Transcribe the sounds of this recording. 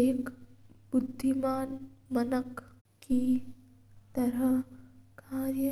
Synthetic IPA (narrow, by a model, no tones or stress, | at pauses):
eːkbʊd̪ʱːimaːnmɐnək | kːi | t̪ɐɾɐkʰaːɾjə